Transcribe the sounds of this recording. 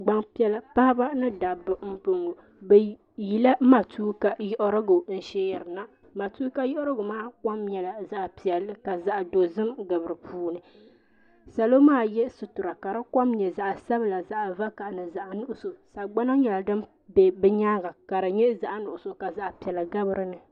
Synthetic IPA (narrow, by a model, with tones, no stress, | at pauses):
ɡ͡ba˦ŋpi˦ɛ˦la˦pa˦ha˦ba˦nɨ˦da˨bɨ˦m̩˦po˦ŋo˨ | bɛ˨ | ji˨la˦ma˨tuː˦ka˨jɔ˦ʔʊ˦ɾɨ˦ɡo˨n̩˦ʃɛ˦jɛ˨ɾɨ˨na˦ | ma˨tuː˦ka˦jɔ˦ʔʊ˦ɾɨ˦ɡʊ˨maː˦ka˦mɲɛ˨la˨za˦ʔpi˨ɛ˨lːɨ˦ka˨za˦ʔdo˨zɨ˦mɡɨ˨bɨ˨ɾɨ˨pʰuː˦nɨ˨ | sa˨lo˦maː˦jɛ˦sɨ˨tʊ˨ɾa˨ka˨ɾa˦ka˦mɲɛ˨za˨ʔsa˦bla˨za˦ʔva˦ka˨ʔnɨ˨za˨ʔnʊ˦ʔʊ˨so˨sa˨ɡ͡ba˦na˦ɲɛ˨la˨dɨ˦m | bɛ˨bɛ˦ɲaː˦ɡa˨ka˨ɾa˨ɲɛ˦za˨ʔa˦nʊ˨ʔʊ˨so˨ka˨za˦ʔpi˨ɛ˨lɨ˨ɡa˦bɨ˦ɾɨ˦nɨ˨